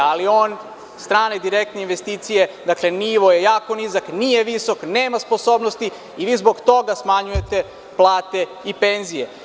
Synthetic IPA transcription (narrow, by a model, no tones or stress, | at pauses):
alio̞ːn | st̪ɾaːned̪iɾe̞k̚t̪neinʋe̞st̪iːt̪sije̞d̪akle̞niʋo̞jejaːko̞nizaknijeʋiso̞kne̞ːmaspo̞so̞ːbnost̪i | iʋiːzbo̞ɡt̪o̞ɡasmaɲuje̞t̪e̞ | plˠaːt̪e̞ | ipenzije̞